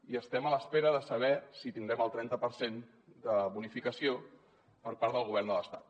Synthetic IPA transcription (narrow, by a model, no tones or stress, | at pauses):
iəst̪ɛmələspeɾəðəsəβ̞ɛsit̪ind̪ɾɛməlˠt̪ɾɛnt̪əpəɾsen | d̪əβunifikəsio | pəɾpaɾðəlˠɣuβɛɾnd̪ələst̪at̪